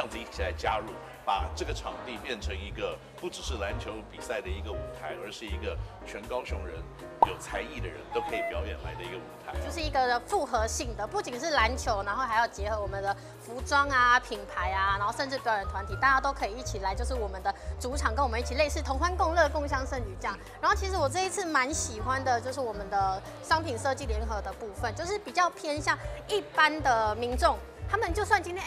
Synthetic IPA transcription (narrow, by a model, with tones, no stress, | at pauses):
jŋd͡zɹ̩˨˧i˥˩t͡ɕʰi˨la˧˥ɪt͡ɕja˥ɻu˥˩ | pa˨˩ʈ͡ʂɤ˥˩ɡə˩ʈ͡ʂʰɑ˨˩ŋt̪i˥˧pjɛ˥˩nʈ͡ʂʰɤ˧˥ŋi˧˥ɡə˧ | pu˥˩ʈ͡ʂɻ̩˨˩ʂɻ̩˥˩la˧˥nt͡ɕʰjo˧˥ʊpi˨˩sa˥˩ɪd̪ə˩i˧˥ɡə˧u˨˩t̪ʰa˧˥ɪə˞˧˥ʂɻ̩˥˩i˧˥ɡə˧t͡ɕʰɥɛ˧˥nkɑ˥ʊɕjʊ̰˧˥ŋɻə˧˦˥n | jo˨˩ʊt͡sʰa˧˥ɪi˥˩d̪ə˩ɻə̰˧˦nt̪o˥ʊkʰɤ˧˥i˨˩pjɑ˧˥ʊjɛ˨˩nla˧˥ɪd̪ə˧i˧˥ɡə˧ṵ˨˩t̪ʰa̰˧˦ɪ˦t͡ɕjo˥˧ʊʂɻ̩˥˩i˧˥ɡə˧fu˥˩xɤ˧˥ɕi˥˩ŋd̪ə˩pu˥˩t͡ɕi˨˩nʂɻ̩˥˩la˧˥nt͡ɕʰjo˧˥ʊna˧˥nxo˥˧ʊxa˧˥ɪjɑ˥˩ʊt͡ɕjɛ˧˥xɤ˧˥wɔ˨˩mə˦nd̪ə˧ | fu˧˥ʈ͡ʂwɑ˥ŋa˧pʰi˨˩npʰa˧˥ɪa˧na˧˥nxo˥˧ʂə˥˧nʈ͡ʂɻ̩˥˩pʊɻə˨˩nt̪ʰwa˧˦nt̪ʰi˨˩t̪a˥˧t͡ɕja˥t̪o˥ʊkʰɤ˧˥i˨˩i˥˩t͡ɕʰi˨˩la˧˥ɪt͡ɕjo˥˧ʊʂɻ̩˥˩wɔ˨˩mə˦nd̪ə˨ʈ͡ʂu˧˥ʈ͡ʂʰɑ˨˩ŋkə˥nwɔ˨˩ə˦i˥˩t͡ɕʰi˨˩le˥˧ɪʂ̬ɻ̩˥˩t̪ʰo˧˥ŋkwa˥nkʊ˥˧ŋlɤ˥˩əfo˥˧ŋɕ̬jɑ˥ŋʂə˥˧ny˨˩t͡ɕjɑ˥˩ŋɻa˨˧nxo˥˩t͡ɕʰi˧˥ʂ̬ɻ̩˧˥wɔ˨˩ʈ͡ʂɤ˥˧i˧˥t͡s̩ʰ˥˩ma˧˦˥nɕi˨˩xwa˦nd̪ə˨t͡ɕjo˥˧ʊʂ̬ɻ̩˥˩wɔ˨˩mə˦nd̪ə˧ | ʂɑ˥ŋpʰi˨˩nʂɤ˥˧t͡ɕi˥˩ljɛ˧˥nxɤ˧˥d̪ə˧pu˥˧fə˥˨nt͡ɕjo˥˧ʊʂɻ̩˥˩pi˨˩t͡ɕjɑ˥˩ʊpʰjɛ˥n˧ɕja˥˧˩ŋi˥˩pa˦˥nd̪ə˨mi˧˥nʈ͡ʂʊ˥˩ŋ | t̪ʰa˥mə˨nt͡ɕjo˥˧ʊs̬wa˥˩nt͡ɕi˥nt̪ʰjɛ˥